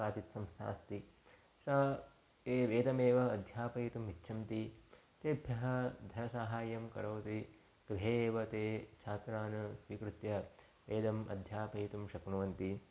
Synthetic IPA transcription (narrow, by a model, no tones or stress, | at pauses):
aːt͡ʃit̪sɐmsa̰ːst̪i | sɐː | eːʋeːd̪ɐmeːʋɐːd̪ʱjaːpɐjit̪umitːʃʰɐmt̪i | t̪eːbʱjɐɦɐ̆d̪ʱɐnɐsaːɦaːjɐmkɐɾɐːt̪i | kɾiɦeːʋɐt̪eːt͡ʃʰaːt̪ɾaːnɐsʋiːkɾut̪jɐ | ʋeːd̪ɐmɐ̰d̪ʱjaːpɐjit̪umʃɐknuʋɐnt̪i